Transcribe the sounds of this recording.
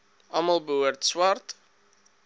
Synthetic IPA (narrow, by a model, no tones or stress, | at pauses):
ʔɐmɐlˠbəɦuərtswɑrt